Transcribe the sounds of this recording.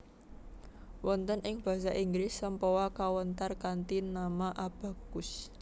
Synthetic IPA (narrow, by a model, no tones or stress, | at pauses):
wɔnt̪ənʔɪŋb̥a̤saʔiŋɡɾɪsːəmpɔwakawənt̪arkant̪inamaʔab̥a̤ɡ̥ʊs